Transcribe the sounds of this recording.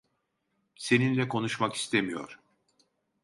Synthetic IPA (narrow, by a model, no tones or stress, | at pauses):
se̞ninlʲɛkʰo̞nuʃmaki̥st̪ʰemijo̞̰ɾ̥